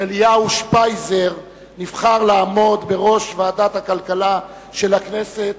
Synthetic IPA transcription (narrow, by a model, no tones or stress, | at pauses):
elijauʃpajzeʁ | nivχaʁlaːmo̞d̪be̞ʁo̞ʃvaːdat̪hakalkala | ʃe̞lakneset̪̚